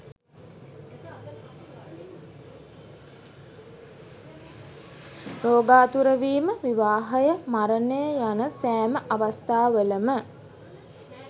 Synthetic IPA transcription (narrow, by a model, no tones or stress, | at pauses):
roːɡaːt̪uɾəʋiːməʋiʋaːɦɐjəmaɾənəjəjanəsæːməʔaʋast̪aːʋələmə